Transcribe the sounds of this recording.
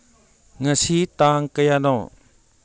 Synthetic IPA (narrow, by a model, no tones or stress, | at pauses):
ŋasit̪aŋkəjanɔ